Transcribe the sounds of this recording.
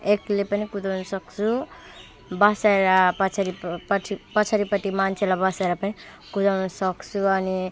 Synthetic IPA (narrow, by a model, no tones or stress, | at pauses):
eklepʌnikud̪ʌwnsʌksʰu | bʌsajɾapʌt͡ʃʰaɾipʌʈʰipʌt͡sʰaɾipʌʈimant͡ʃʰelabʌsaɾapʌni | kud̪ʌwnusʌkt͡sʰuʌni